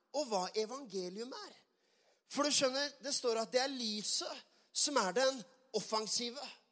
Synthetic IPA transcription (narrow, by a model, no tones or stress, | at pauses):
ɔʋɑːʔɛʋɑŋɡeːlɪʉmæɾ | fɔɖʉʂœnːəɾd̪ɛst̪oːɾɑt̪̚d̪ɛæɾliːsə | sɔmæɖɛn | ɔfɑŋsiːʋə